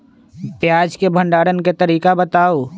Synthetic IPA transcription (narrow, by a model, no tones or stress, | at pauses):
pjaːd͡ʒkebʱə̃ɳɖaːɽənket̪əɾiːkabət̪aːoː